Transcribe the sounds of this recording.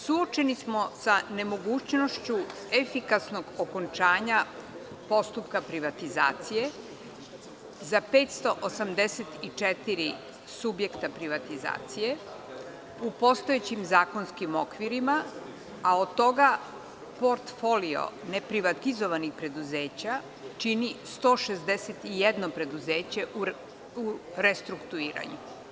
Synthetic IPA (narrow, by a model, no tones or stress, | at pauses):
suot͡ʃe̞nismo̞sane̞mo̞ɡuːt͡ɕno̞ʃt͡ɕu | efikasnoɡoko̞nt͡ʃaːɲa | po̞st̪upkapɾiʋat̪iza̰ːt̪sije̞ | zape̞ːt̪st̪o̞ʔosamd̪eset̪it͡ʂet̪iɾi | subje̞kt̪apɾiʋat̪iza̰ːt̪sije̞ | upo̞st̪oet͡ɕimzaːko̞nskimokʋiɾima | aod̪̚t̪o̞ɡa | po̞ɾt̪fo̞lio̰nepɾiʋat̪izoʋanixpɾe̞d̪uzeːt͡ɕa | t͡ʃinist̪o̞ːʃezd̪eset̪ijɛd̪no̞pɾe̞d̪uzeːt͡ɕe̞u | uɾest̪ɾukt̪uiːɾa̰ɲu